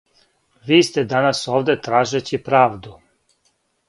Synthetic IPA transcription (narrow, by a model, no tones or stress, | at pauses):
ʋiːst̪ed̪anasoːʋd̪et̪ɾaːʒet͡ɕipɾaːʋd̪u